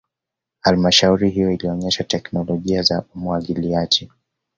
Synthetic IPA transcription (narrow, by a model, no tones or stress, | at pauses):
halmaʃauɾiɦijɔiliɔɲɛʃatɛknɔlɔʄiazaumwaɠiliad͡ʒi